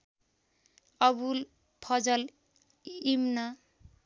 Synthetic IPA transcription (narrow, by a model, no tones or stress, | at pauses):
ʌbul | pʰʌd͡zʌl | imna